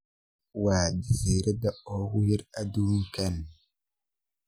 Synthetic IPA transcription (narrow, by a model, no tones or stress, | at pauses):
waːdiziɾedaɔwujiɾaduŋkan